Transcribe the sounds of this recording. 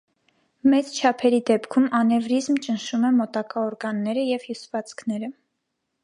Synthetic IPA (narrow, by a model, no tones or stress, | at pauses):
mɛt͡st͡ʃʰɑpʰɛɾid̪ɛpkʰumɑnɛvɾizmt͡ʃənʃumɛmɔt̪ɑkɑɔɾɡɑnːɛɾəjɛvjusvɑt͡sʰkʰnɛɾə